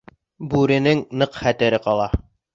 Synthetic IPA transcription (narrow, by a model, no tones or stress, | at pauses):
bʉɾɘ̆nɘŋnɤqχæt̪ɘ̆ɾɘqɑlˠɑ